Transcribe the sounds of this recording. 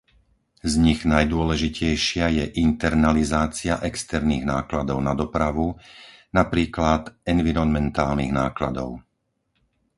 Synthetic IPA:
zɲiɣnajd̪ʊɔlɛʒicɛjʃɪajɛʔint̪ɛɾnalizaːt͡siaʔɛkst̪ɛɾniːɣnaːklad̪ɔʊnad̪ɔpɾaʋunapɾiːklat̪ɛnʋiɾɔnmɛnt̪aːlniɣnaːklad̪ɔ̰ʊ

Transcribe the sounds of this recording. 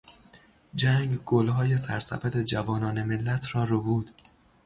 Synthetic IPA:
d͡ʒæːŋɡɡ̥olɦɒːje̞sæɾsæ̰fæd̪ed͡ʒævɒːnɒːnemelːæt̪ʰrɒːɾobuːd̪̥

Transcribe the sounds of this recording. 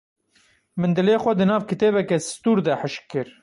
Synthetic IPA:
mɨnd̪ɨleːxʷɛd̪ɨnɑːvkɨt̪eːβɛkɛsst̪uːɾd̪ɛħɨʃkːɨɾ

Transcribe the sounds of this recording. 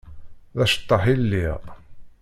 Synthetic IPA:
ðæʃə̥t̪ˤːɑħilːiʁ

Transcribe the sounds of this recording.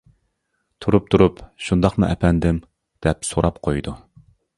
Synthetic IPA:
t̪ʰuɾup̚t̪ʰuɾupʃund̪ɑχmɨ̰ʔɛpʰɛnd̪ɪm | d̪̥ɛpsoɾɑpqʰojd̪u

